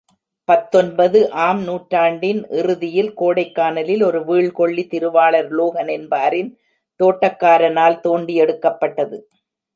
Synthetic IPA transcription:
pɐt̪ːɔnbɐðɯʔaːmnuːʈɾaːɳɖɪnʔɪrɯðɪjɪlkoːɽɐɪkːaːnɐlɪlɔɾɯʋiːɭkɔɭːit̪ɪɾɯʋaːɭɐɾloːɣɐnɛnbaːɾɪn | t̪oːʈːɐkːaːɾɐnaːlt̪oːɳɖiɛɽɯkːɐpːɐʈːɐðɯ

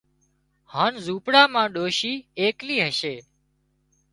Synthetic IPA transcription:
haːnzuːpɽaːmãːɗoːʃiːeːkliːɦəʃeː

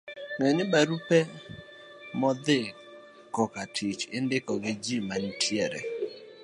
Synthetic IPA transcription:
ŋɛnɪbaɾupɛ | mɔd̪ɪ | kɔkatʰit͡ʃɪndɪkɔɡɪd͡ʒimantʰjɛɾɛ̰

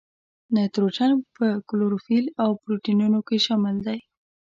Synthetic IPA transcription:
nat̪ɾot͡ʃanpəkʊloɾofilawpɾoʈinunokeʃɑmɪld̪aj

